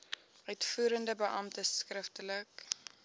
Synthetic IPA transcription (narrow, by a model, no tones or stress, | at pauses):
ʔœɥtfuːɾəndəbəʔɐmtəskrəftələk